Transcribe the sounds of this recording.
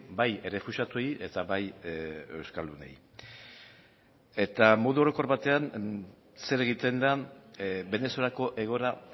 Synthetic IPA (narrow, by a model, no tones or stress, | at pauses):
baje̞re̞fuʃat̪ue̞jʔe̞t̪aβaje̞wskald̪une̞̰j | e̞t̪amo̞ðuoɾo̞ko̞ɾβat̪e̞an | se̞ɾe̞ɣ̞it̪e̞nd̪a | be̞ne̞so̞lako̞ʔe̞ɣ̞o̞ɾa